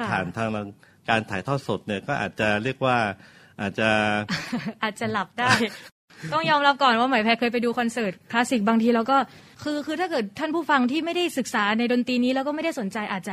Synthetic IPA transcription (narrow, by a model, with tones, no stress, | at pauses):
kʰa˥pʰaː˨˩nt̪ʰaː˧ŋl | kaː˧nt̪ʰaː˩˦jt̪ʰɔː˥˩t̪so˨˩t̪̚ni˥˩ɐkɔː˥˩ʔa̰ː˨˩t̪̚t͡ɕa˨˩ɾi˥˩ək̚waː˥˩ | ʔaː˨˩t̪̚t͡ɕa˨˩ | ʔaː˨˩t̪̚t͡ɕa˨˩la˨˩p̚daː˥˩j | t̪ɔ˥˩ŋjɔː˧mɾa˦˥p̚kɔː˨˩nwaː˥˩ma˩˦pʰɛː˧˥kʰɤː˧jpa˧jduː˧kʰɔ˧nsɤː˨˩t̪̚kʰlaː˦˥si˨˩k̚baː˧ŋt̪ʰiː˧lɛ˦˥wkɔː˥˩ | kʰɯː˧kʰɯː˧a˥˩kɤː˨˩t̪ʰːaː˥˩npʰuː˥˩fa˧ŋt̪ʰiː˥˩ma˥˩jda˥˩jsɯ˨˩k̚saː˩˦na˧jdo˧nt̪iː˧niː˦˥lɛː˦˥wkɔː˥˩ma˥˩jda˥˩jso˩˦nt͡ɕa˧jʔaː˨˩t̪̚t͡ɕa˨˩